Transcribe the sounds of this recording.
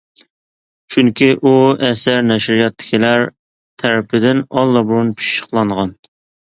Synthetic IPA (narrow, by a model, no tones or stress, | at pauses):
t͡ʃʰyŋkʲiʔuɛsæɾnɛʃɾijɑt̪ʰːɪ̥kʲʰilæɾ | t̪ʰæɾɪpʰɪd̪ɪnɑlˠːɑbuɾunpʰy̥ʃʃqlˠɑɴʁɑn